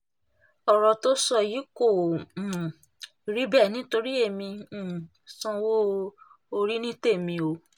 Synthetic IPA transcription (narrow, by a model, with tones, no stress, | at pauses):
ɔ˨ɾɔ˨to˦sɔ˦˨ji˨˦ko˦˨ | ɾi˨˦bɛ˦˨nĩ˦to˧ɾi˦e˦˨mĩ˧˦˨ | sɔ̃˦wo˦ | o˧ɾi˦nĩ˦te˦˨mĩ˧o˧